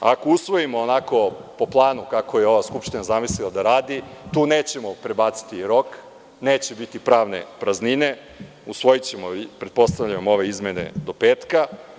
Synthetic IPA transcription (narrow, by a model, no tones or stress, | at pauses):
a̰ko̞usʋo̞jimo̞ːnako̞po̞plˠaːnukako̞jeo̞ʋaskupʃt̪inazamislilˠad̪aɾaːd̪it̪uːneːt͡ɕe̞mo̞pɾe̞baːt̪si̥t̪iɾo̞k | neːt͡ɕe̞bit̪ipɾaːʋne̞̰pɾaznine̞ | usʋo̞jit͡ɕemopɾe̞d̪po̞st̪aʋʎamoo̞ʋe̞izme̞ne̞̰d̪o̞peːt̪ka